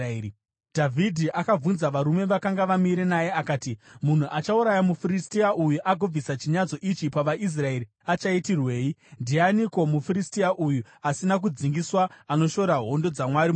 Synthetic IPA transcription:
dʱavʱidʱiʔakavunzaʋaɾume̞ʋakaŋɡaʋamiɾenaje̞akaːtimun̤uʔat͡ʃauɾajamufiristiaʔujuʔaɡʱob͡visat͡ʃiɲad͡zo̞ʔit͡ʃipaʋaʔis̬rae̞ɾi | at͡ʃaitirwe̞ːjindianiko̞mufiɾistiaʔuju | asinak̬ud͡ziŋɡiswaːno̞ʃo̞ɾaɦo̞ndo̞d͡zamwaɾi

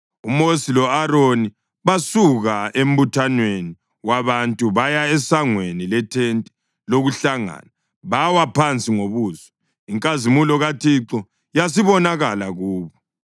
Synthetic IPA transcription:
umosilɔaɾoni | βasuɣaem̩butʰanweni | waβantʼuβajaɛsaŋwenilɛtʰentʼɛ̥ | loɣuɬaŋa̰ːna | βawapʰant͡sʼiŋoβuːzɔ | iŋkʼazimulɔɣatʰiǁɔ | jas̬iβɔnaɣalaɣuːβɔ

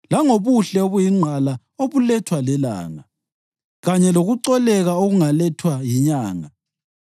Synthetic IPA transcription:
laŋoβuɬɛoβujiŋ͡ǃʱala | oβulɛtʰwalɛla̰ːŋa | ɣaɲɛloɣuǀɔlɛɣaoɣuŋalɛtʰwajiɲaːŋa

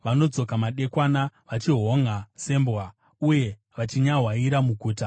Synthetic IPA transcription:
ʋano̞d͡zo̞kamaɗe̞kwaːnaʋat͡ʃiɦo̞ŋase̞mbwa | uje̞ | ʋat͡ʃiɲaɦwaiɾamuɡʱuːta

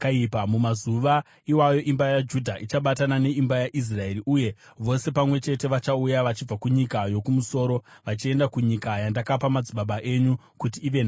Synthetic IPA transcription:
kaipamumazuʋa | iwajo̞ʔimbajad͡ʒudʱaʔit͡ʃaɓatanane̞imbajaʔis̬rae̞ɾiʔuje̞ | ʋo̞se̞pamwe̞t͡ʃe̞te̞ʋat͡ʃaujaʋat͡ʃib͡vakuɲikajo̞kumuso̞ːɾo̞ʋat͡ʃie̞ndakuɲikajandakapamad͡ziɓaɓaʔe̞ɲu | kutiːʋe̞na

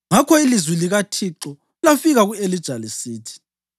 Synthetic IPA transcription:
ŋakʰɔilizwiliɣatʰiǁɔ | lafiɣaɣuelid̥ʒ̥ʱalisiːtʰi̥

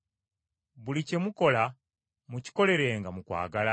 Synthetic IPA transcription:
βulice̞muko̞la | muci̥ko̞le̞ɾe̞ːŋɡamukwa̰ːɡala

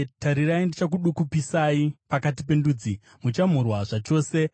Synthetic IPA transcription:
taɾiraindit͡ʃak̬uɗukupisaipakatipe̞nduːd͡zi | mut͡ʃam̤urwaʐat͡ʃo̞ːse̞

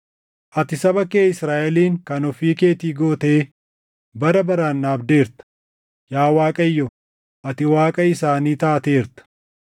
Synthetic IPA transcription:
ʔɐt̪ɪsɐbɐke̞ːɪsɾaːʔɛliːŋkɐnɔfiːke̞ːt̪iːɡo̞ːt̪eː | bɐɾɐbɐɾaːnːaːbd̪e̞ːɾt̪ɐ̥ | jaːwaːkʼɐjːɔ | ʔɐt̪ɪwaːkʼɐɪsaːniːt̪aːt̪e̞ːɾt̪ɐ̥

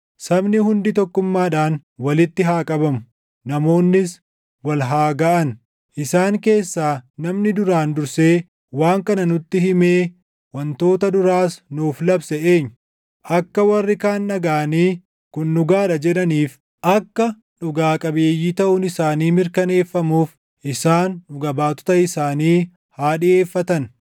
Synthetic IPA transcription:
sɐbnɪhʊnd̪ɪt̪ɔkːʊmːaːᶑaːnwɐlɪt̪ːɪɦaːkʼɐbɐmʊ | nɐmo̞ːnːɪs | wɐlɦaːɡɐʔɐn | ʔɪsaːŋke̞ːsːaːnɐmnɪd̪ʊɾaːnd̪ʊɾse̞ː | waːŋkɐnɐnʊt̪ːɪhɪmeː | wɐnt̪o̞ːt̪ɐd̪ʊɾaːsnuːflɐbsɛʔeːɲː | ʔɐkːɐwɐrːɪkaːnːɐɡaːɐniː | kʊnːʊɡaːᶑɐd͡ʒɛᶑɐniːf | ʔɐkːɐ | ᶑʊɡaːkʼɐbeːjːiːt̪ɐʔʊnɪsaːniːmɪɾkɐne̞ːfːɐmuːf | ʔɪsaːnːʊɡɐbaːt̪ɔ̥t̪ɐɪsaːniː | haːᶑɪe̞ːfːɐt̪ɐn

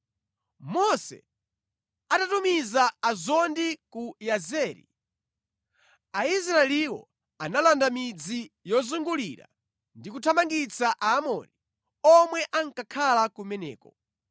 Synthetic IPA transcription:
mɔsɛ̰ | atatumizaːzɔndikujazɛːɾḭ | ais̬ɾaɛliwɔ̰ | analandamid͡zijɔzuŋɡuliɾa̰ | ndikutʰamaŋɡit͡saʔaːmɔ̰ni | ɔmwɛʔaŋkakʰalakumɛnɛ̰ːkɔ

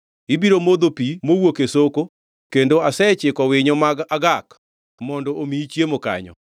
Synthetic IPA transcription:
ibiɾomod̪opimowokesoko | kendoasɛt͡ʃɪkɔwɪɲɔmaɡaɡak | mɔndɔʔomit͡ʃjemoka̰ɲɔ̰

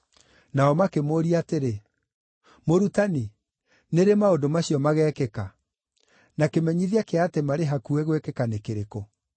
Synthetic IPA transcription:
naɔmakemoːɾiateɾe | moɾutani | neɾemaodomaɕijɔmaɣɛːkɛka | nakemɛɲiðiakeatemaɾeɦakuɛɣwekɛkanekeɾeko

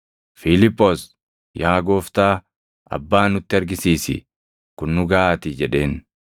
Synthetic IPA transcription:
fɪlɪpʼːos | jaːɡo̞ːft̪aː | ɐ̰bːaːnʊt̪ːɪɐɾɡɪsiːsɪ̰ | kʊnːʊɡaʔaːt̪ɪd͡ʒɛᶑe̞ːn

